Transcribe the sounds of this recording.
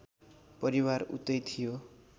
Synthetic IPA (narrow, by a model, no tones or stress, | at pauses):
pʌɾiwaɾṵt̪ʌjt̪ʰijo